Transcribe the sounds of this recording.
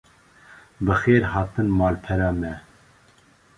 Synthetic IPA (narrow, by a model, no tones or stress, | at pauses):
bɨxeːɾɦɑːt̪ɨnmɑːlpʰɛɾɑːmɛ